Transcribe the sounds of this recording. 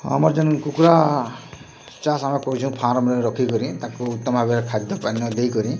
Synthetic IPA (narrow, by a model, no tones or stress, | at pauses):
a̰mɔɾd͡ʒankukɾa | t͡ʃasamekɔɾut͡ʃʰũpʰãɾɔmɔniɾɔkʰikɔɾĩt̪ãkuːt̪ːɔmɔbʱabeɾekʰad̪ʱɔpanːɔd̪ejkɔɾĩ